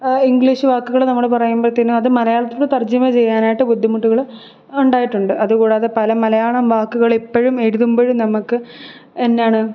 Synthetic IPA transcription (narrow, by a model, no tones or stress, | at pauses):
iŋɡɭiːɕɨʋaːkːuɣɐɭnɐmːɐɭpɐrɐjumprɐt̪ːinːumɐðɨmɐlɐjaːɭɐt̪ːoɭt̪ɐrd͡ʑɐmɐt͡ɕe̞jːaːnaːjiʈːɨpud̪ʱːimuʈːuɣɐɭ | uɳɖaːjiʈːuɳɖɨʔɐðuɣuːɽeɐðepɐlɐmɐlɐjaːɭɐmʋaːkːuɣɐɭipːoɻume̞ɽuðumboːɻumnɐmukːɨ | enːejaːɳɨ